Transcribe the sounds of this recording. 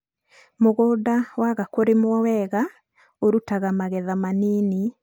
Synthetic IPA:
moɣoːdawaɣakoɾemwɔwɛɣa | oɾutaɣamaɣɛðamaniːni

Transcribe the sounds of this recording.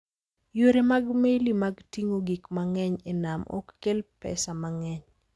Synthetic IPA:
joɾemaɡmelimaɡtiŋoɡikmaŋɛɲenamɔ̰kːelpɛ̰samaŋɛɲ

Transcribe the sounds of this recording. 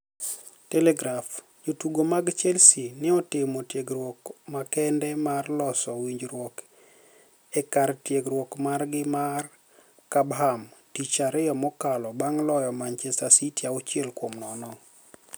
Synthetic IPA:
tɛlɛɡɾaf | d͡ʒotuɡomaɡt͡ʃɛlsinɪɔtɪmotjeɡrwokmakɛndɛmarlɔsɔwiɲd͡ʒɾwɔk | ɛkartjeɡɾwɔkmarɡɪmar | kabɦamtit͡ʃaɾɪjɔmɔkalɔbaŋlɔjɔmant͡ʃesasitjaɔt͡ʃɪɛlkomnɔnɔ

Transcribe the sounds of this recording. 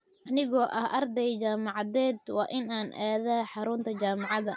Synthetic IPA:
ʔɐnɪɣɔːʔɐhʔɐrd̪ɛjt͡ʃaːmɑʕɑðɛːd̪wɑ̰ːʔɪnaːnʔaːðaːħɑɾʊnt̪ʰɐt͡ʃaːmɑʕɑðɐ

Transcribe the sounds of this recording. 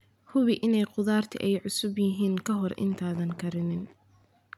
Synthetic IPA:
hʊβɪʔɪnɛjqʊðaːrt̪ʰɪ̰ʔɛjʕʊsʊbjɪɦiːŋkʰɐɦɔrɪ̰nt̪ʰaːðɐŋkʰɐɾɪnɪn

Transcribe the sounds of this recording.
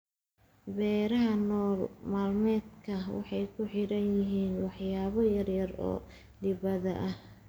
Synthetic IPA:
bɛːɾɐɦɐnɔːrmaːlmɛːd̪kʰɐwɑ̰ħɑjkʰʊħɪɾɐnjɪɦiːnwɑħjaːβɐjɐrjɐrɔ̰ː | lɪβɐðɐʔɐh

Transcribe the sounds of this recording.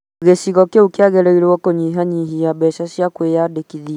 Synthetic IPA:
ɣesiɣɔkeukiaɣɛlɛilewɔkɔɲiɦaɲiɦijaɓɛʃaʃjakwejaɗekiði

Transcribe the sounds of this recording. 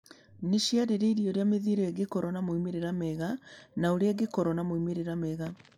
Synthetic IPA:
neʃjaɾeɾeiɾioɾejameðiɾeɛɡekɔɾɔnamoimeɾeɾameɣanaoɾeɛɡekɔɾɔnamoimeɾeɾameɣa

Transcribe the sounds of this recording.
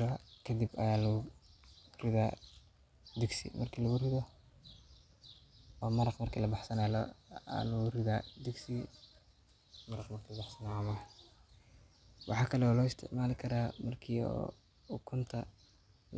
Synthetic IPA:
kʰɐd̪ɪbɐ̰jaːlɐʊ | rɪðaː | d̪ɪɡsɪ̰mɐrkʰiːlɐɣʊrɪðɔ | ɔːmɐɾɑqmɐrkʰiːlɐbɑħsɐnaːlɔ̰a̰lɐɣʊrɪðaːd̪ɪɡsi | mɐɾɑqmɐrkʰilbɑħsɐnaːɐmɐ | wʔɑ̰ħɑːkʰɐlɛɔːlɔːɪst̪ʰɪ̰ʕmaːlɪkʰɐɾaːmɐrkʰiːɔ̰ː | ʊkʰʊnt̪ʰɐ

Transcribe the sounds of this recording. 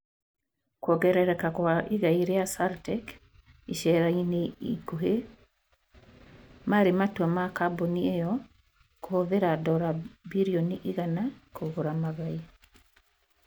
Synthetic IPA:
kwɔɡɛɾɛɾɛkakwaʔeɣaiɾeasaɾtɛk | iʃɛɾaineikoɦe | maɾematwɛmakaboniejɔ | kohoðeɾadɔɾabiɾiɔniʔiɣanakoɣoɾamaɣai

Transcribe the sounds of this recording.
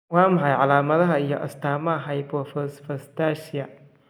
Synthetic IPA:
waːmɦajʕalaːmɐðɐɦaijo̰ʔa̰staːmaɦajbofɐsfɐstaʃija

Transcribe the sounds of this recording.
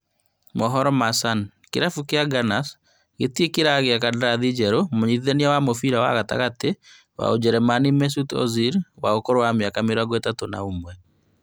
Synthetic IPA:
mɔɦɔɾɔmasan | keɾafukeaɡanas | ɣetiekeɾaɣeakadaɾaðid͡ʒɛɾomoɲiðeniawamofiɾawa̰ɣata̰ɣate | wa̰od͡ʒɛɾɛmanimɛs̬utɔ̰ziɾwaɣokoɾowamjakameɾaɡɛtatona̰omwɛ

